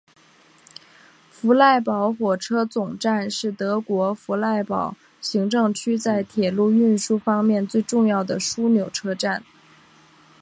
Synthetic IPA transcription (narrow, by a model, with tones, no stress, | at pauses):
fu˧˥la˥˩ɪpɑ˧˥ʊxwɔ˨˩ʈ͡ʂʰɤ˥t͡sʊ˨˩ŋʈ͡ʂa˥˧nʂɻ̩˥˩t̪ɤ˧˥kwɔ˧˥fu˧˥la˥˩ɪpɑ˨˩˦ʊ | ɕi˧˥ŋʈ͡ʂɤ˥˩ŋt͡ɕʰy˥t͡sa˥˩ɪt̪ʰjɛ˨˩lu˥˧y˥˩nʂu˥fɑ˥ŋmjɛ˥˧nt͡swe˥˧ɪʈ͡ʂʊ˥˧ŋjɑ˥˩ʊd̪ə˩ʂu˥njo˨˩ʊʈ͡ʂʰɤ˥ʈ͡ʂa˥˩n